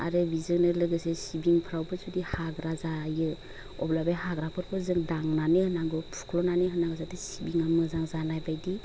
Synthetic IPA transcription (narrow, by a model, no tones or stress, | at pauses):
a̰ɾɯbizɯŋnɯlɯɡɯsesibiŋpʰɾawbɯsudihaɡɾazajɯ | ɔblabajɦaɡɾapʰɯɾpʰɔzɯŋdaŋnanɯhɯnaŋɡɯpʰu̥kʰlɔnanɯɦɯnaŋɡɯzatɯsibiŋamɯzaŋzanajbajdi